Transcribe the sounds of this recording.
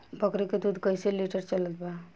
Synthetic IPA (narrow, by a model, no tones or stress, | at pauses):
bəkɾeked̪ud̪ʱkəjseliʈəɾt͡ʃələt̪ba